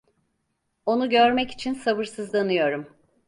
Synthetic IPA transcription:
o̞nuɟøɾmɛci̥t͡ʃʰinsaβɯɾsɯzd̪anɯjo̞ɾum

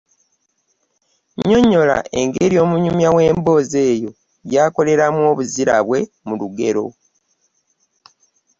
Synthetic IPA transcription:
ɲo̞ɲo̞la̰ʔe̞ŋɡe̞ɾjo̞ːmuɲumjawe̞ːmbo̞ːze̞ːjo̞ | jaːko̞le̞ɾamwo̞ːβuziɾa̰βwe̞ | muluɡe̞ɾo̞̰

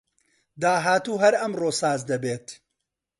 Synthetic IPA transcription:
d̪aːɦaːt̪uːɦɐɾɐmroːsaːzd̪ɐbeːt̪

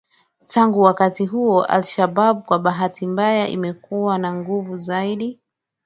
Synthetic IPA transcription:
tʰaŋɡuwakatiɦuɔʔa̰lʃaɓaɓukwaɓaɦatimbajaʔḭmɛkuwanaŋɡuvuzaiɗi

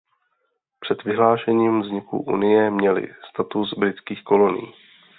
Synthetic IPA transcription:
pr̝̥ɛd̪vɪɦlaːʃɛɲiːmvzɲɪkṵʔṵnɪjɛmɲɛlɪ̰st̪at̪usbɾɪt͡skiːxko̞lo̞nḭː

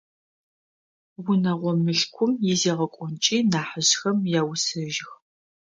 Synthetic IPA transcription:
wʊnɐʁʷɔmɨɬkʷʰʊmjɪzeːʁɐkʷʼɔnt͡ʃʼiːnaːħəʑxɐmjaːwʊsɐʒɪx

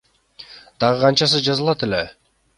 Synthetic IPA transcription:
d̪̥ɑʁɯqʰɑnt͡ʃɑs̬ɯzd͡ʒɑzɯlˠɑt̪ele̞

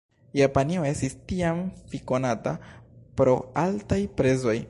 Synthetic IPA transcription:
japanio̞e̞stistiamfiko̞natapɾo̞altajpɾe̞zo̞j

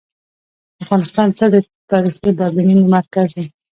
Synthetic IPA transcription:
afɣɑnɪst̪ɑnt͡səd̪ət̪ɑɾixid̪ɑɾlininumat̪kazi

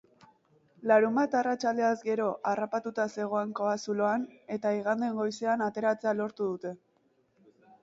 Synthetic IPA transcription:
laɾumbat̪arat͡ʃald̪e̞azɡe̞ɾo̞ʔarapat̪ut̪ase̞ɣ̞o̞aŋko̞asuloane̞t̪aiɣ̞and̪e̞ŋɡo̞jseanat̪e̞ɾat͡se̞alo̞ɾt̪uðut̪e̞

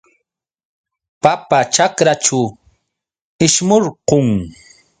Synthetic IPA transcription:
papat͡ʃakɾat͡ʃʊ | ɪʃmoɾqoŋ

